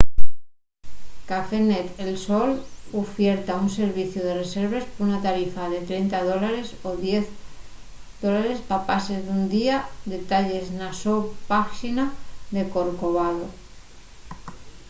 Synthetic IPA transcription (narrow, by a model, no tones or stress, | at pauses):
kafenet̪elsolofje̞ɾt̪aunse̞ɾβiθjoð̞e̞re̞se̞ɾβe̞spounat̪aɾifaðe̞t̪ɾejnt̪að̞o̞laɾe̞soðje̞θ | d̪olaɾe̞spapasezðund̪iad̪e̞t̪aʎe̞znasopaʃinaðe̞ko̞ɾko̞βaðo